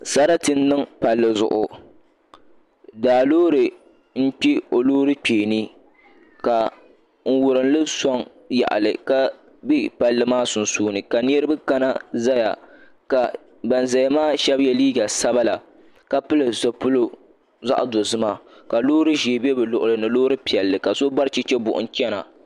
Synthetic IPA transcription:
sa˦ɾa˦tɨ˦nː˦ɨ˦ŋpa˨lːɨ˨zʊ̰˨ʔʊ˨ | daː˨loː˦ɾɨ˨ | m̩˦k͡pi˦o˨loː˦ɾɨ˦k͡peː˨ni˦ | ka˨ | ŋ̩˦wʊ˨ɾɨ˨n˦lɨ˦sɔ˦ŋ | ja̰˨ʔa̰˨lɨ˨ka˦ | bi˦pa˨lːɨ˨maː˦sʊ˨n˨suː˦nɨ˨ka˨ni˦ɛ˦ɾɨ˦bɨ˦ka˦na˦za˦ja̰˨ | ka˨ | ba˨n˨za˨ja˨maː˦ʃɛ˦bjɛ˨liː˦ɡa˨sa˦ba˦la˨ | ka˦pɨ˦lɨ˨zo˨pʊ˦lo˦ | za̰˦ʔa˨do˨zɨ˦ma˦ka˨loː˦ɾɨ˦ʒe˨be˦bɨ˨lʊ˨ʔʊ˨lɨ˨nɨ˨loː˦ɾɨ˦pi˨ɛ˨lːɨ˨ka˨so˦ba˦ɾt͡ʃi˦t͡ʃɛ˦bʊ̰˨ʔʊ̰˦n̩˦t͡ʃɛ˦na̰˨

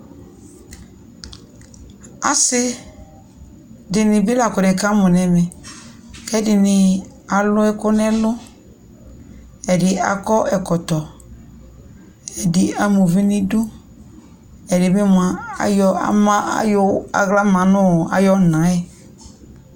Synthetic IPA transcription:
a̰˨sɪ˦ | dɪ˨nɪ̃˨bɪ˦la˨kʊ˨nɛ̃˨kã˦mʊ̃˨nɛ̃˨mɛ̃˨ | kɛ˦dɪ˨nɪ̃˨ | a˨lʊ˦ɛ˦kʊ˦nɛ˦lʊ˦ | ɛ˨dɪ˨a̰˨kɔ˦ʔɛ˨kɔ˨tɔ˨ | ɛ˨dɪ˨a˨mũ˨vi˦nɪ̃˦du˦ | ɛ˨dɪ˨mɪ̃˦mʊ˨a˨a̰˨jɔ˦a̰˨mã˦a̰˨˦jʊ˦a̰˨ɣla˦mã˨nʊ̃˦˨a̰˨jɔ˦˨nã˨˦ɛ˦

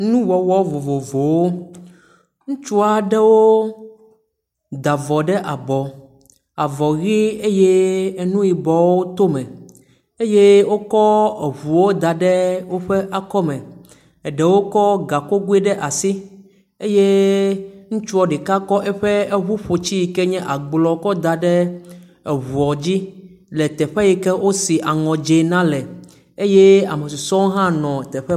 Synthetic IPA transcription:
nũ˦wɔ˨wɔ˦vo˨vo˨vo˨wo˦ | ŋũ˦t͡ʃu˦a˨ɖɛ˦wo˦ | d̪a˨vɔ˨ɖɛ˦ʔa˨bɔ˨ | a˨vɔ˨ɣi˦e˦je˦˨nũ˦ji˨bɔ˨wo˦t̪o˦mɛ̃˨ | e˦je˦wo˦kɔ˦e˨ɦu˨wo˦d̪a˨ɖɛ˦wo˦ɸe˦ʔa˦kɔ˦mɛ̃˨ | ɖɛ˨wo˦kɔ˦ɡa˨ko˦ɡu˦ɛ˦ɖɛ˦ʔa˨si˦ | e˦je˦ | ŋũ˦t͡ʃu˦ɔ˦ɖe˨ka˦kɔ˦ʔɛ˦ɸɛ˦e˦βu˦ɸo˨t͡ɕi˦ji˦kɛ˦ɲɛ̃˦ʔa˨ɡ͡blɔ˨˦kɔ˦d̪a˨ɖɛ˦ | e˨βu˨ɔ˨d͡ʑi˦ | lɛ˨t̪ɛ˨ɸɛ˦ji˦kɛ˦wʔo˦si˨ʔa˨ŋɔ̃˨d͡ʒe˨nã˦lɛ˨ | e˦je˦a̰˨me˨si˨sɔ̃˦wo˦ɦã˦nɔ̃˨t̪ɛ˨ɸɛ˦

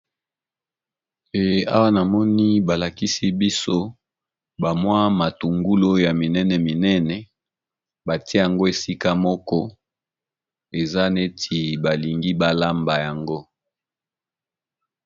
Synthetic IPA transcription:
e˨a̰˦wa˦na˨mɔ˦ni˦ba˨la˨ki˦si˦bi˦so˦ | ba˨mwa˦ma˨tu˨ŋɡu˦lo˦ja˨mi˨nɛ˦nɛ˨mi˨nɛ˦nɛ˨ | ba˨ti˦ja˨ŋɡo˦e˨si˦ka˦mɔ˦kɔ˦ | e˨za˦ne˦tʰi˨ba˨li˨ŋɡi˦ba˦˨la˦mba˨ja˨ŋɡo˦

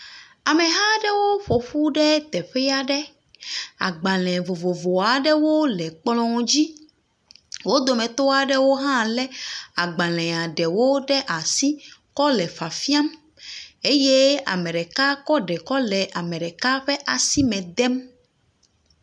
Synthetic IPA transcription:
a˨mɛ˨ɦã˦ɖɛ˦wo˦ɸo˨ɸu˦ɖɛ˦t̪ɛ˨ɸɛ˦a˨ɖɛ˦ | a̰˨ɡ͡ba˨l̃ɛ̃˨vo˨vo˨vo˨a˨ɖɛ˦wo˦lɛ˨k͡plɔ̃˦d͡ʑi˦ | wo˦d̪o˨mɛ̃˨t̪o˦a˨ɖɛ˦wo˦ɦã˦lɛ˦a˨ɡ͡ba˨lɛ̃˨a˨ɖɛ˨wo˦ɖɛ˦ʔa˨si˦kɔ˦lɛ˨fa˨fi˦a˦m | e˦je˦a̰˨mɛ̃˨ɖɛ˨ka˦kɔ˦ɖɛ˨kɔ˦lɛ˨ʔa˨mɛ̃˨ɖɛ˨ka˦ɸɛ˦ʔa˨si˦mɛ̃˨d̪ɛ˦m

